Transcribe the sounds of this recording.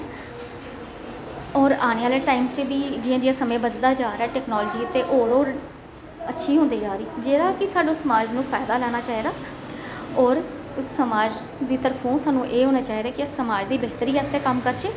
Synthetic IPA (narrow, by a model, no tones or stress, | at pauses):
ɔːɾaːneːaːleːʈaːiːmt͡ʃbiːd͡ʒiːãːd͡ʒɪjãːsəmẽːbəd̪d̪aːd͡ʒaːɾɛːʈɛːknoːlːd͡ʒiːət̪ẽːʔoːɽoː | ətːʃʰiːɦõːnd̪iːd͡ʒaːɾiːd͡ʒeːɾaːkɪsaːɖõːsəmaːd͡ʒnũːpʰaːɪd̪aːlɛːñaːt͡ʃaːɦiːd̪aː | ɔːɾ | ʊsːəmaːd͡ʒ | d̪iːt̪əɾpʰõːsaːnũːʔeːɦoːnaːt͡ʃaːiːd̪aːkɪʊsːəmaːd͡ʒd̪iːbeːt̪əɾiːɛːst̪eːkəmkəɾʃeː